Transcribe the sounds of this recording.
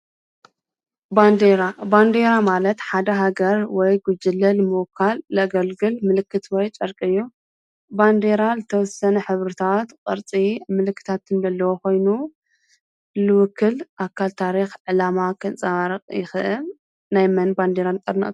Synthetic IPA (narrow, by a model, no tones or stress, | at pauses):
band̪eɾaband̪eɾamalɐt̪ħad̪ɐɦaɡɐɾwɔjɡud͡ʒɨlːɐlmɨwkʰːalːɨaɡɐlɡɨlmɨlɨkːɨt̪wɔjt͡ʃʼɐɾkʼɨjːu | band̪eɾalɨt̪ʰɐwɔsɐnɐħɨβɾɨt̪ʰat̪kʼɨɾt͡sʼimɨlɨkʰːɨ̥t̪ʰat̪ʰːɨndɐlːɐwoko̞jnu | lɨwʊkʰːɨlʔakʰːalt̪ʰaɾixʕɨlamakʰɨnt͡sʼɐβaɾɐqʼjɪxɨʔɨl | najmɐnband̪eɾant̪ʼɐɾnɨ̰